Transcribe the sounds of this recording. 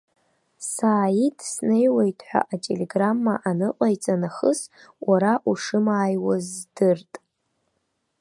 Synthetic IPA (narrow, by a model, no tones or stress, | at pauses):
saːjidʰsnejwajtʰʼħʷᶣa̰ʔatʼe̞le̞ɡramːaʔanɨqʼajt͡sʼanaχəswʔaɾaʔuʂɨmaːjwazdɨrtʼ